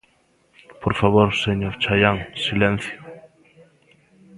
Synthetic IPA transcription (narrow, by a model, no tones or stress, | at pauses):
poɾfaβoɾseɲoɾt͡ʃajaŋsilẽn̟θjʊ